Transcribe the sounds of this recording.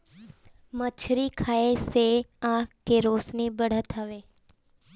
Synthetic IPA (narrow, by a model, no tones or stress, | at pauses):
mət͡ʃʰɾikʰaeseãkeɾosnibəɽ̤ət̪ɦəʋe